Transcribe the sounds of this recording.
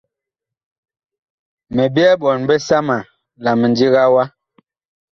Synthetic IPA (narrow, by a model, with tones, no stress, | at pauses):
mɛ˨bi˦ɛ˦bɔ˨nbɛ˦sa˦ma˨ | la˨mɛ˨nd͡ʒi˦ɣa˦wa˦